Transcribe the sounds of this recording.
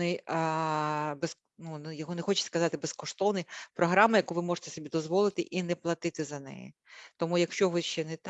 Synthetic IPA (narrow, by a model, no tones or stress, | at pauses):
nɪj | bes | nunjɐɦɔnɛxɔt͡ʃɪ̥skɐzɑt̪ɪbeskɔʂt̪ɔʋnɨjpɾɔɦɾɑmɐjɐkujʋɪmɔʐɪ̥t̪ɛsɔbʲid̪ɔzʋɔlˠɪt̪ɪʔinɛplˠɐt̪ɪt̪ɪzɐnɛ̰jḭt̪ɔmujɐkʃt͡ʃɔʋɪʃt͡ʃɛnɛt̪